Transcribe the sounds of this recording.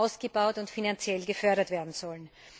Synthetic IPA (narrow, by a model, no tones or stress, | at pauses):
aʊsɡ̥əbaʊtʊntfinant͡sjɛlɡəfœɐɾɐtv̥eːɐdn̩z̥ɔln